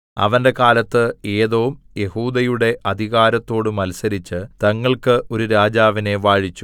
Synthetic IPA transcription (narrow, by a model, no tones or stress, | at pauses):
ɐ̰ʋɐnde̞kaːlɐt̪ːɨe̞ːðoːmje̞huːd̪ɐjuɽe̞ʔɐd̪ʱiɣaːɾɐt̪ːo̞ːɽumɐlusɐɾit͡ɕːɨt̪ɐŋːɐɭkɨʔo̞ɾuɾaːd͡ʑaːʋine̞ʋaːɻit͡ɕːu